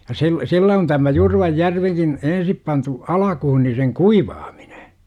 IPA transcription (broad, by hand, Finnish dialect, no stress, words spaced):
jɑ sil̆ silːæ on tæmæ jurʋɑjːærʋikin ensip pɑntu ɑlɑkuhu ni seŋ kuiʋɑːm̥i̥n̥e̥